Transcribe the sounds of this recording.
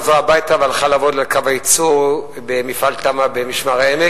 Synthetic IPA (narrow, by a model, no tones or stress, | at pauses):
voabajt̪avalχalavod̪lalkavajit͡suʁ | bemifalt̪amabemiʃmaʁeene